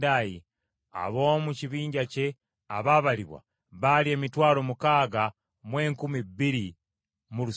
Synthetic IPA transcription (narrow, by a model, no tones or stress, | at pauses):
daji | a̰βo̞ːmuciβiːɲɟace | aβaβaliβwa̰ | βalie̞ːmitwaːlo̞mukaːɡa | mwe̞ːŋkumibiɾi | mulu